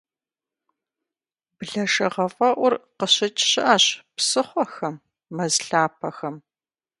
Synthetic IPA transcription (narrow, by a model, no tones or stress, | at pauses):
bɮɐʂɐʁɐfʼɐʔʷʊrqəɕɪt͡ʃʰʼɕɪʔaɕpsɨχʷɔxɐmː | ɐzɬaːpʰɐxɐm